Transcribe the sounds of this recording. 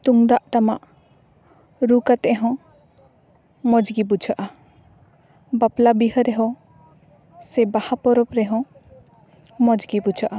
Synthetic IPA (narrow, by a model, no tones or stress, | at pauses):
t̪uŋd̪aʔt̪ama̰ʔ | ɾukat̪ɛʔɛɦɔ̃ | mɔd͡ʒɡibud͡ʒʰəʔa | baplabiɦəɾɛɦɔ̃ | sɛbahapɔɾɔpɾɛɦɔ̃ | mɔd͡ʒɡibud͡ʒʰaʔa